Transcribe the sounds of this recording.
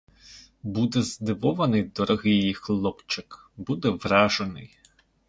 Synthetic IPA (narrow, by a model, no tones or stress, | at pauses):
bud̪ɛzd̪ɪʋɔʋɐnɪjd̪ɔɾɔɦɪjjixlˠɔpt͡ʃɪk | bud̪ɛʋrɑʒenɪ̰j